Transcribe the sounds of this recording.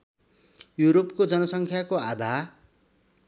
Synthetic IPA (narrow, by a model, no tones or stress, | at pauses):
juɾop̚kod͡zʌnʌsʌŋkʰjakoad̪ʱa